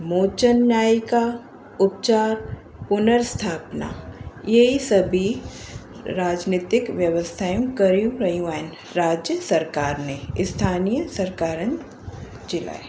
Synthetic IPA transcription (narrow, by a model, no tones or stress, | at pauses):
moːt͡ʃənjaːika | ʊp̚t͡ʃaːɾ | pʊnəɾst̪ʰaːpna̰ːjeisɐbʱi | ɾaːd͡ʒniːt̪ɪkʋjɐʋəst̪ʰaːjũkɐɾijũɾɐɦijũɛːn | ɾaːd͡ʒjəsɐɾkaːɾneɪst̪ʰaːnijəsɐɾkaːɾən | d͡ʒɪla̰e